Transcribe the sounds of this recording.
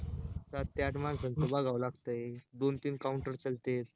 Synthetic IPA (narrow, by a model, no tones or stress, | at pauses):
sat̪ːjaʈmansənt̪əbaɡaʋlaɡt̪əd̪ont̪iːnkauɳʈəɾt͡səlt̪eɾ